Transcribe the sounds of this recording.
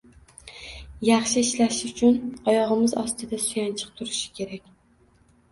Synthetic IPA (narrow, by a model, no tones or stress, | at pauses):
jɑχʃɪiʃlaʃɪʊt͡ʃʰʊnɒjɒʁɨmɪzɒst̪ɨd̪asujɑnt͡ʃʰɨ̥q̚t̪ʰʊɾɪʃɪ̥kʲʰe̞ɾakʲ